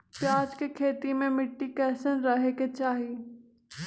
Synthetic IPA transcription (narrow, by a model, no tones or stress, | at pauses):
pjaːd͡ʒkekʰeːt̪imẽmɪʈːikɛːsənɾɐɦeket͡ʃaːɦiː